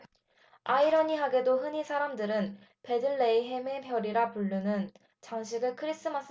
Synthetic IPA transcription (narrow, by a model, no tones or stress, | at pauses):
aiɾʌɲiɦaɡe̞doɦɯɲisʰaɾamdɯɾɯn | pe̞dɯɭːe̞iɦemepjʌɾiɾapuɭːunɯn | t͡ɕaŋɕ̬ʰiɡɯɭkʰɯɾis͈ɯmas͈ʰ